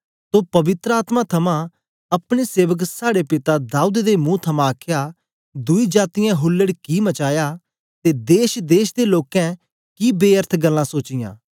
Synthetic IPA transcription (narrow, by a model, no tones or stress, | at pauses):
soːpɐʋɪt̪ɾəaːt̪mãt̪ʰɐmã | ɐpɽ̃eseːʋəksaːɽepɪt̪ad̪aːud̪d̪emũːt̪ʰɐmãəkʰja | d̪ʊid͡ʒaːt̪ɪjãɦʊlːəɽkimɐt͡ʃaːja | t̪ed̪eːʃd̪eːʃd̪eloːkɛ̃ | kibeːəɾt̪ʰɡəlːãsoːt͡ʃɪjã̰ː